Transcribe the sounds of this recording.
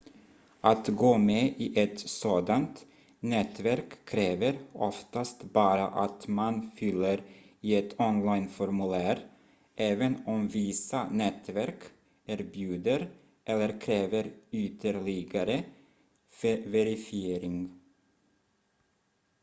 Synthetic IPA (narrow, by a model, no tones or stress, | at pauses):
ʔat̪ɡoːmeːʔiːʔɛt̪soːd̪ant̪ | nɛt̪væɾkʰːɾeːvəɾɔft̪ast̪bɑːɾa̰ʔat̪manfʏlːəɾiɛt̪ʰɔnlaɪnfɔɾmʉlæːɾ | ʔɛːvənɔmviːsanɛt̪væɾk | æːɾbjʉːd̪əɾ | ʔɛlːəɾkʰɾeːvəɾʏt̪ʰəɾɭɪɡaɾə | fvɛɾɪfɪeːɾɪŋ